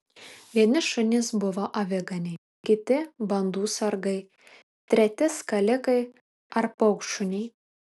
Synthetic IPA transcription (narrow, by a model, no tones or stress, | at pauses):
ʋʲiɛnʲɪʃʊnʲɪsbʊʋoʔɐʋʲɛɡɐnʲɛɪ | kʲɪt̪ʲɪbɐnd̪uːsɐɾɡɐɪ | t̪ʲɾʲɛt̪ʲɪskɐlʲɪkɐɪ | ɐɾpɐʊkʃʊnʲɛɪ